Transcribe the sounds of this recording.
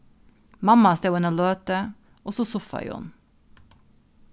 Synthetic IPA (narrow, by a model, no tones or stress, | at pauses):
mɑmɑst̪eʊɛnoːløːt̪ə | ɔsɔsʊfɑ̰j̰ʊ̰n